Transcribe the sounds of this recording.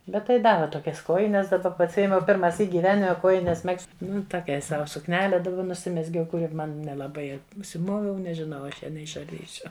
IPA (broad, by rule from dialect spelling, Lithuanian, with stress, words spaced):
ˈbʲɛt tɐɪ ˈdɑːʋʲɛ toːˈkʲɛs ˈkoːjɪnʲɛs dɐˈbɐ pɐsʲˈɪjɛmʲɛʊ pʲɪrmɐˈsʲiːk ɡʲiːˈʋʲæːnʲɪmʲɛ ˈkuɔjnʲɛs ˈmʲɛkst ˈnʊ toːˈkʲɛɪ ˈsɐʊ sʊkˈnʲæːlʲɛ dɐʊˈɡʲɛʊ nʊˈsʲɪmʲɛzʲɡʲɛʊ kʊˈrʲɪ ˈmɐn nʲɛlˠɐˈbɐɪ ʊʃʲsʲɪˈmoːʋʲɛʊ nʲɛʒʲɪˈnɐʊ ɐ ˈɐʃ ˈjɛ nʲɛɪʃɐrʲˈdʲiːsʲʊ